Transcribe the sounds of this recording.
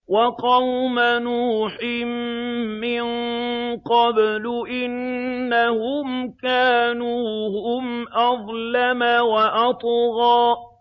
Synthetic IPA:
wɑqɑwmanuːħɪmː | ɪnqɑblʊʔɪnːahʊmkaːnuːhʊmʔɑðˤlamawaʔɑt̪ˤɣɑː

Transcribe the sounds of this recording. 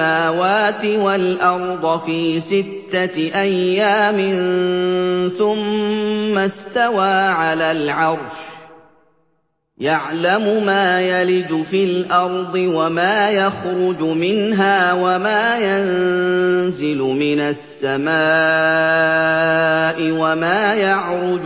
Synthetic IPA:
aːwaːt̪ɪwalʔɑɾˤd̪ˤfiːsɪt̪ːaʔajːaːmɪn | θʊmː | ast̪awaːʕalaːlʕɑɾˤʃ | jaʕlamʊmaːjalɪd͡ʒ̪ʊfilʔɑɾˤd̪ˤɨwamaːjaxɾʊd͡ʒʊmɪnɦaːwamaːjan | zɪlʊmɪnasːamaː | ʔɪwamaːjɑʕɾˤʊd͡ʒ

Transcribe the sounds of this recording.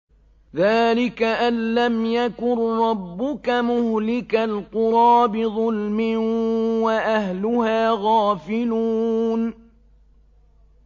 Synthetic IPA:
ðaːlɪkaʔanːamjakʊnɾˤɑbːʊkamʊhlɪkalqʊɾˤɑːbɪðˤʊlmɪwaʔahlʊhaːɣaːfɪluːn

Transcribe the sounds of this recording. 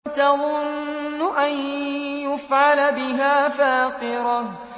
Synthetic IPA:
t̪aðˤʊnːʊʔanjʊfʕalabɪɦaːfaːqɨɾɑh

